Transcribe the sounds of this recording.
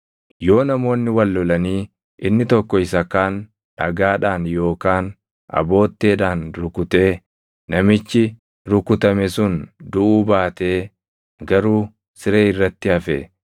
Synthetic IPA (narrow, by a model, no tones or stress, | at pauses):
jo̞ːnɐmo̞ːnːɪwɐlːɔlɐniː | ʔɪnːɪt̪ɔkːɔɪsɐkaːn | ᶑɐ̰ɡaːᶑaːnjo̞ːkaːn | ʔɐ̰bo̞ːt̪ːe̞ːᶑaːnɾʊkʊt̪e̞ː | nɐmɪt͡ʃːɪ | ɾʊkʊt̪ɐmɛsʊnd̪ʊʔuːbaːt̪e̞ː | ɡɐɾuː | sɪɾe̞ːɪrːɐt̪ːɪɐfɛ